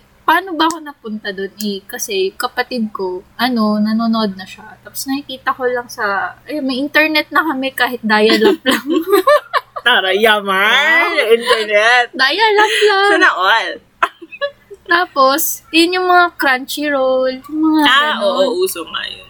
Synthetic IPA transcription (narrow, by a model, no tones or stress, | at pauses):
paːno̞bɐɐko̞nɐpʊnt̪ɐd̪onɛkɐsɛjkɐpɐt̪ɪd̪̚ko̞ʔɐno̞nɐnoːnoʔod̪̚nɐʃat̪aːposnɐhikiːt̪ɐko̞lɐŋsɐɐjmɐjʔɪnt̪ɛɹnɛt̪̚nɐkɐmɛkaːɦɪt̪̚d̪aːjɐlɐp̚lɐŋ | paːɾɐjamaʔɪnt̪ɛɹnɛt̪̚d̪aːjɐlɐplaɐnɐʔol | t̪aːpo̞sjʊnjʊŋmɐŋakɾant͡ʃiɾowljʊŋmɐŋaaʔoʔoʔuːsoŋɐ̰jon